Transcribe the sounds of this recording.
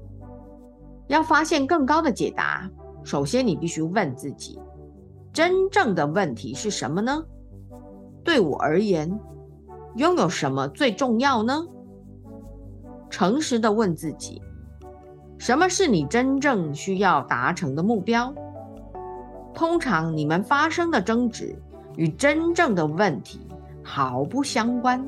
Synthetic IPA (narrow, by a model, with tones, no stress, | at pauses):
jɑ˥˩ʊfa˥ɕjɛ˥˧nkɤ˥˩ŋkɑ˥ʊd̪ə˨t͡ɕjɛ˨˩t̪a̰˧˥ | ʂo˨˩ʊɕjɛ˥nni˨˩pi˥˩ɕy˥wə˥˧nt͡sɹ̩˥˩t͡ɕḭ˨˩˦ | ʈ͡ʂə˥nʈ͡ʂɤ˥˩ŋd̪ə˩wə˥˩nt̪ʰi˧˥ʂɻ̩˥˩ʂə˧˥nmə˧nə˧ | t̪we˥˩ɪwɔ̰˨˩ə̰˞˧˥jɛ˧˥n | jʊ˥˧ŋjo˨˩ʊʂə˧˥nmə˧t͡swe˥˧ɪʈ͡ʂʊ˥˧ŋjɑ˥˩ʊnə˩ | ʈ͡ʂʰɤ˧˥ŋʂɻ̩˧˥d̪ə˧wə˥˧nt͡sɹ̩˥˩t͡ɕḭ˨˩˦ | ʂə˧˥nmə˧ʂɻ̩˥˩ni˨˩ʈ͡ʂə˥nʈ͡ʂɤ˥˩ŋɕy˥jɑ˥˩ʊt̪a˧˥ʈ͡ʂʰɤ˧˥ŋd̪ə˧mu˥˩pjɑ˥ʊ | t̪ʰʊ˥ŋʈ͡ʂʰɑ˧˥ŋni˨˩mə˦nfa˥ʂɤ˥ŋd̪ə˨ʈ͡ʂɤ˥ŋʈ͡ʂɻ̩̰˧˩˥ | y˨˩ʈ͡ʂə˥nʈ͡ʂɤ˥˩ŋd̪ə˩wə˥˩nt̪ʰḭ˧˥ | xɑ˧˥˦ʊpu˥˩ɕjɑ˥ŋkwa˥n